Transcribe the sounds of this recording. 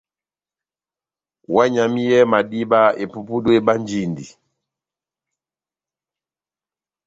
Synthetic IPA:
wa˦ɲa˨mi˦jɛ˦ma˨di˦ba˦e˨pu˦pu˦dwe˦ba˦nd͡ʒi˦˨ndi˨

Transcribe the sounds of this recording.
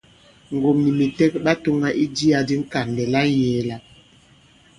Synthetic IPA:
ŋ˨ɡo˨mni˨mi˨tɛ˦k̚ba˦to˦ŋɡa˦ʔi˦di˦a˨di˦ŋ̩˦ka˨ndɛ˨la˦jɛː˨˦la˦

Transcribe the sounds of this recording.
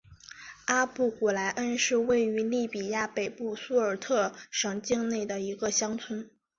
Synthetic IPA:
a˥pu˥˩ku˨˩la˧˥ɪʔə˥nʂɻ̩˥˧we˥˩ɪy˧˥li˥˩pi˨˩ja˥˩pe˨˩ɪpu˥˩su˥ə˞˨˩t̪ʰɤ˥˩ʂɤ˨˩ŋt͡ɕi˥˧ŋne˥˩ɪd̪ə˩i˧˥ɡə˧ɕjɑ˥ŋt͡sʰwə˥n

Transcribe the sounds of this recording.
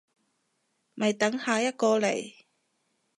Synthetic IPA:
mɐ˨jt̪ɐ˨˥ŋhaː˨jɐ˥t̚kɔː˧lḛ˨˩j

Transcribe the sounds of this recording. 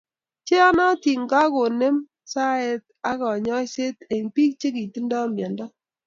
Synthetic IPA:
t͡ʃe˦ɔ˦nɔ˦ti˨ŋɡa˦ko˨ne˦m | sa˦e˨t̚a˦kɔ˨ɲɔ˦se˦te˨ŋpi˦k̚t͡ʃe˦ki˨ti˦ndɔ˦mjɔ˨ndɔ˦

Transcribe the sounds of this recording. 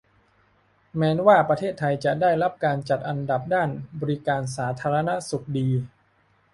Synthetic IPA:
mɛː˦˥nwaː˥˩pɾa˧eː˥˩t̪ʰːa˧jt͡ɕa˨˩daː˥˩jɾa˦˥p̚kaː˧nt͡ɕa˨˩t̪̚ʔa˧nda˨˩p̚daː˥˩nbɔː˧ɾi˦˥kaː˧ns̬aː˩˦t̪ʰaː˧ɾa˧na˦˥su˨˩k̚diː˧

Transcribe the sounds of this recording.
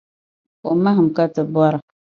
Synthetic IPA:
o˨ma˦ɦɨ˨m˨ka˦tɨ˨bɔ˦ɾa˨

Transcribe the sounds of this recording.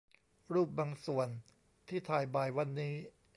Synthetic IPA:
ɾuː˥˩p̚baː˧ŋsu˨˩ən | t̪ʰiː˥˩t̪ʰaː˧jbaː˨˩jwa˧nːiː˦˥

